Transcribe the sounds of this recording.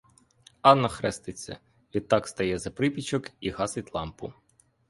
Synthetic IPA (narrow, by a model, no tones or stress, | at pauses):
ɑnːɐxɾɛst̪ɪt͡sʲːɐ̰ | ʋʲit̪ːɑkst̪ɐjɛzɐpɾɪpʲit͡ʃɔkiɦɑsɪtʲlˠɑmpʊ̰